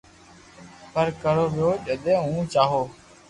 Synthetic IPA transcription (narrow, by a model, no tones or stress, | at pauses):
pəɾkəɾoːʋjoːʄəd̪ẽːɦũːt͡ʃaːɦoː